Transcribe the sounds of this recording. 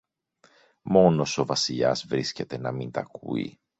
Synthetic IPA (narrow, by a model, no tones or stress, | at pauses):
mo̞no̞so̞vɐsiʎɐ̰zvɾisce̞t̪e̞nɐmint̪ɐkṵḭ